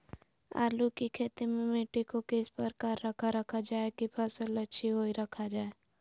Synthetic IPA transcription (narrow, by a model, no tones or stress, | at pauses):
a̰ːlukikʰeːt̪emẽmeːʈikõkeːspəɾkaːɾːəkʰaɾəkʰad͡ʒaːekipʰəsələtːʃʰiɦoːiɾɐkʰad͡ʒaːe